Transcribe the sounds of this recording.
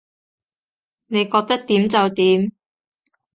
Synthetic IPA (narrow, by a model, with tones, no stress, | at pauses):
ne˨˧jkɔː˧k̚t̪ɐ˥k̚t̪iː˨˥mt͡sɐ˨wt̪iː˨˥m